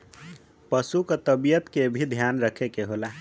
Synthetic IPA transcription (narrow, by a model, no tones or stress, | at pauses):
pəsukət̪əbijət̪kebʱid̪ʱjanɾəkʰekeɦola